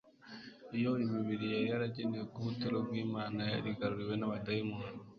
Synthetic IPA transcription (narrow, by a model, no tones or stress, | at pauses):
ijoimiβiɾijaɾihaɾaɟenijekuβutiɾoɡwiːmaːnaaɾiɡaɾuɾiwe̞naβadaimuna